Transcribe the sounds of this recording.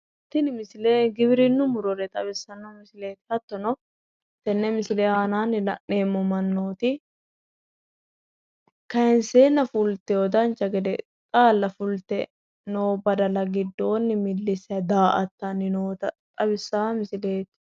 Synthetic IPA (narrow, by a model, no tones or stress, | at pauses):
ht̪ːɪnɪmɪsɪleːɡɪbɪɾɪnːʊmʊɾɔɾɛt̪ʼɐβɪsːɐnːɔmɪsɪle̞ːt̪ɪ̥hɐt̪ːɔnɔ | t̪ːɛnːɛmɪsɪleːaːnaːnːɪlɐʔːe̞ːmːɔmɐnːo̞ːt̪ɪ | kɐɪnseːnːɐfʊlt̪ɛɔd̪ɐnt͡ʃːɐɡɛd̪ɛt̪ʼaːlːɐfʊlt̪ɛ | noːbɐd̪ɐlɐɡɪd̪ːo̞ːnːɪmɪlːɪsɪɐd̪aːʔɐt̪ːɐnːɪnoːt̪ɐt̪ʼɐβɪsːaːmɪsɪle̞ːt̪